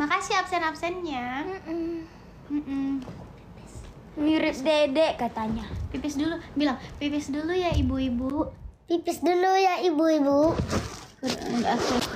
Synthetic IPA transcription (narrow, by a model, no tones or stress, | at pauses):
makasiap̚sɛnapsɛnɲa | m̩ʔm̩ | s | miɾɪp̚dedɛʔkat̪aɲapipɪsdulubilaŋpipɪsdulujaibuibupipɪsdulujaibuibu | kuda̰daʔaki